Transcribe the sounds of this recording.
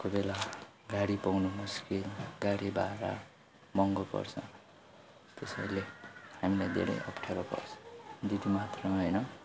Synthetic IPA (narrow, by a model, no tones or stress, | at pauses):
kobela | ɡaɽipawnumuskilɡaɽibaɾa̰ | mʌŋɡopʌ̰rt͡sʰʌ̃ | t̪esʌ̰jlehamilajd̪ʱḛɽʌ̰jʔʌ̰pʈʰeɾopʌ̰rt͡sʰʌ̥̃d̪id̪imat̪rʌɦʌjnʌ